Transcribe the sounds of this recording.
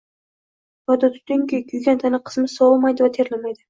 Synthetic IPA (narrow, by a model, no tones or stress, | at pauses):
jɒd̪at̪ʰʊ̥t̪ɪŋkʲekʲʰyjɡʲant̪ʰanɪqʰɨ̥smɪsɒlˠmajd̪ɪvat̪ʰeɾlamajd̪ɪ